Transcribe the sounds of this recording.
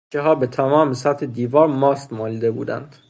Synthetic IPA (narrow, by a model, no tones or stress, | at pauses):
eɦɒːbet̪ʰæmɒːmesæt̪ʰhed̪iːvɒːɾmɒːst̪mɒːliːd̪ebṵːd̪æ̰nd̪̥